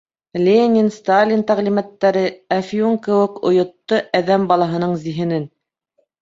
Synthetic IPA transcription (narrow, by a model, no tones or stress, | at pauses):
lʲenʲinst̪alʲint̪æʁlimæt̪ːæɾɘæfjuŋkɘ̆wɘ̆kŏ̰jŏt̪ːoʔæðæmbɑlˠɑɦɤ̆nɤɴziɦɘ̆nɘn